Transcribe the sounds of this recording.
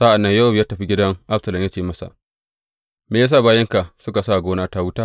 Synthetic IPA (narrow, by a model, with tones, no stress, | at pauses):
sa˦ʔa˨nːɐ˦ɲjɐ˦hʊ˦bjaː˦tɐ˨ɸi˦ɡʲɪ˦dɐ˦ŋʔa˦bsɐ˨lɐ˨mja˦t͡ʃeː˦˨mɐ˦sa̰˨ | meː˨jaː˦s̬aː˦˨baː˦jɐ˦ŋka˨sʊ˦ka˨sa˦˨ɡʷoː˦naː˦ta˦wʊ˦taː˦